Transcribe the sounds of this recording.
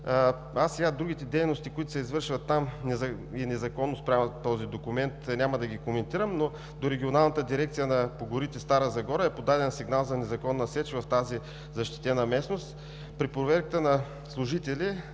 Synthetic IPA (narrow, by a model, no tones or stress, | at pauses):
asɛɡad̪ɾuɡit̪ɛd̪ɛjnost̪ikʊit̪ʊ̥sɛizvɤɾʃvɐt̪ːamnɛzɐ | inɛzɐkɔnːospɾʲamət̪ːɔzid̪okumɛnt̪nʲaməd̪ɐɡikomɛnt̪iɾəmno | d̪oɾɛɡʲionalˠnət̪əd̪iɾɛkt̪sijənɐpoɡʊɾit̪ɛst̪aɾəzɐɡɔɾəɛpod̪ad̪ɛnsiɡnalˠzɐnɛzɐkɔnːɐsɛt͡ʃvɐft̪azi | zɐʃt̪i̥t̪ɛnɐmɛsnost̪ | pɾipɾovɛɾkət̪ənɐ | slˠʊʒit̪ɛlʲi